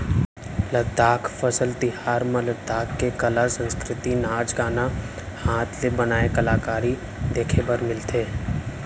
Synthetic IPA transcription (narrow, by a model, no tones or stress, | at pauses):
ləd̪ʱːaːkʰfəsəlt̪ɪɦaːɾmə̃ləd̪ʱːaːkːekəlasə̃nskɾɪt̪inaːd͡ʒɡaːna | haːt̪ʰlebənaːekɐlaːkaːɾi | d̪eːkʰebəɾmɪlt̪ʰeː